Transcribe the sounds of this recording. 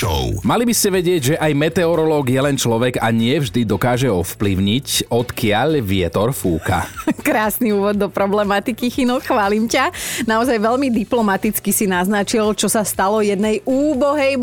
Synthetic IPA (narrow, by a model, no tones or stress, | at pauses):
ɔ̰ʊmalibiscɛʋɛɟɪɛɟʒɛʔajmɛt̪ɛɔɾɔlɔːɡjɛlɛnt͡ʃlɔʋɛɡaɲɪɛvʒd̪id̪ɔkaːʒɛɔfpliʊɲicɔt̪kɪaʎʋɪɛt̪ɔɾfuːka̰kɾaːsniuːʋɔd̪ːɔpɾɔblɛmat̪ikixinuxʋaːlimcanaɔzajʋɛʎmid̪iplɔmat̪it͡skisinaznat͡ʃilt͡ʃɔsast̪alɔjɛd̪nɛjuːbɔɦɛj